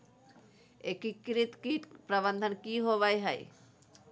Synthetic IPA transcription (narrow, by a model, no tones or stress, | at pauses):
ekikɾit̪kiʈpɾəbənd̪ʱənkiɦoβajɦəj